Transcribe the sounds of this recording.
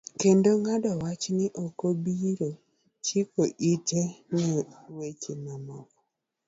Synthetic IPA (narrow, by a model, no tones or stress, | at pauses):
kendoŋadɔwat͡ʃnɪʔokobiɾo | t͡ʃikoʔitenɛwet͡ʃemamɔkɔ̥